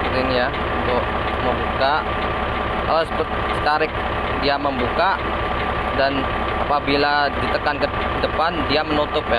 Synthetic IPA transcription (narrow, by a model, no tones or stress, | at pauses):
inija | unt̪ʊʔ | məmbuka | ka̰lasəpət̪̚sit̪aɾɪk̚ | diaməmbuka | dan | apabiladit̪əkankə | dəpandiamənut̪ʊpja